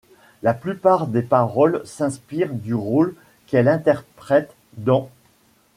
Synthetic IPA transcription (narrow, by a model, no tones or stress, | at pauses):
laplypaʁd̪epaʁɔlsɛ̃spiʁd̪yʁol | kɛlɛ̃t̪ɛʁpχɛt̪ | d̪ɑ̃